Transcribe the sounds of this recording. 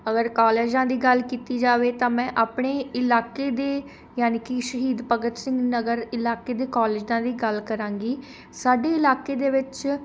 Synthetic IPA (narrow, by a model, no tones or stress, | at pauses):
əɡəɾkaːleːd͡ʒãːd̪iːɡəlkiːt̪iːd͡ʒaːʋeːt̪ãːmɛ̃ːʔaːpɳeːɪlaːkeːd̪eː | jaːniːkiʃəɦiːd̪pəɡət̪sɪ̃ŋɡnəɡəɾɪlaːkeːd̪eːkaːleːd͡ʒãːd̪iːɡəlkəɾãːŋɡiː | saːɖeːɪlaːkeːd̪eːʋɪt͡ʃ